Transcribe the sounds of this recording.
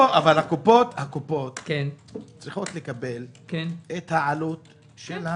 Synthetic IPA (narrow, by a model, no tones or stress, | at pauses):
oʔavalhakupo̞t̪hakupo̞t̪kent͡sʁiχo̞t̪le̞kabe̞lkenet̪haʕalut̪ | ʃela